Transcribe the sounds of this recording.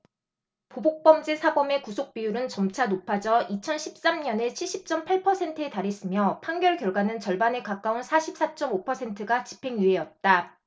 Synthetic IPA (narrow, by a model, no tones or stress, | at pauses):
pobok̚p͈ʌmd͡ʑesʰabʌme̞kusʰok̚p͈ijuɾɯnt͡ɕʌmt͡ɕʰanopʰad͡ʑʌit͡ɕʰʌnɕʰi̥p̚s͈amɲʌnet͡ɕʰiɭɕ͈ʰip̚t͡ɕ͈ʌmpʰaɭpʰʌsʰe̞ntʰɯetaɾes͈ɯmjʌpʰaŋɡjʌɭkjʌɭɡwanɯnt͡ɕʌɭbane̞kak͈aunsʰaɕʰip̚s͈at͡ɕ͈ʌmopʰʌsʰe̞ntʰɯɡat͡ɕi̥pʰe̞ŋjue̞ʌt̚t͈a